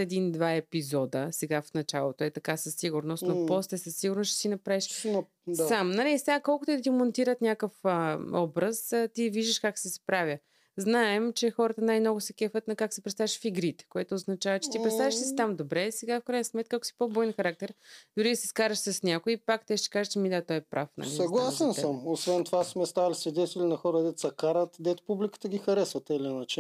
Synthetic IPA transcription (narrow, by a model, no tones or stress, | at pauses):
ɛd̪ind̪vaɛpizɔd̪əsɛɡafnɐt͡ʃalˠot̪oɛt̪ɐkasɐsːiɡʊɾnost̪nopɔslɛsɐsːiɡʊɾnost͡ʃɛ̥sinɐpɾaviʃ | samnɐlɛsɛɡakɔlˠkʊt̪id̪t̪imont̪iɾət̪nʲjakəfəɔbɾəst̪iviʒd̪əʃkaksɛspɾavʲjə | znaɛmt͡ʃɛxɔɾət̪ənajmnɔɡʊsɛkɛfət̪nɐkaksɛpɾɛt̪st̪aviʃfiɡɾit̪ɛ̥koɛt̪oːznɐt͡ʃavət͡ʃɛ̥t̪ipɾɛt̪t̪avʲiʃd̪ɐsi̥t̪amd̪obɾɛsɛɡafkɾajnɐsmɛt̪̚kəaksi̥pobɔjɛnxɐɾak̚t̪ɛɾd̪ʊɾisɛskaɾəʃsəsnʲakoipakt̪ɛʃt̪ɛ̥kaʒət͡ʃɛmid̪at̪ɔɛpɾʔa̰fnɐ̰liɐɡlˠasɛnsəmosvɛnt̪ovasmɛst̪avɐlisvɛd̪ɛt̪ɛlinɐxɔɾəd̪ɛt̪sɐkaɾət̪d̪ɛt̪ʊ̥publʲikə̥t̪əɡʲixɐɾɛsvɐt̪ɛlʲinat͡ʃɛ